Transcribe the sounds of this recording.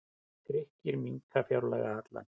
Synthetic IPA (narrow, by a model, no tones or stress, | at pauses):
θɾehcɪɾmiŋkafjawɾlɛ̰ɣa̰hat̪la̰n